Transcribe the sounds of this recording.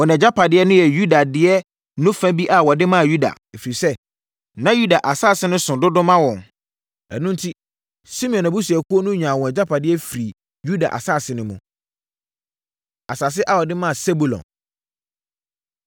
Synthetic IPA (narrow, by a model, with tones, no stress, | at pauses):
ɔ˨nɛ̃˨d͡ʑa˦pʰa˨dɪ˦ɛ˦nʊ̃˦jɛ˨ju˦da˨dɪ˦ɛ˦ | nʊ̃˦fɛ̃˦bi˦ʔa˨wɔ˨dɪ˦mã˦˨ju˦da̰˨ | e˨fi˨i˨sɛ˦ | nã˦ju˦da˨ʔa˨saː˦˨sɪ˦nʊ̃˦sʊ̃˨dʊ˦dʊ̃˦mã˦wɔ̃˨n | ɛ̰˨nʊ̃˦n̩˦tʰi˦ | si˦mĩ˦˨ɔ̃˨na˨bu˦s̬u˨ɛ˨kʰu˦o˦nʊ̃˦ɲᶣã˨wɔ̃˨ɛ˨d͡ʑa˦pʰa˨dɪ˦ɛ˦fi˨ɾi˨ | ju˦da̰˨ʔa̰˨saː˦˨sɪ˦nʊ̃˦mʊ̃˨ | a˨sa˨s̬ɪ˦ʔa˦˨wɔ˨dɪ˦mã˦a˨se˦bu˨lɔ̰̃˨n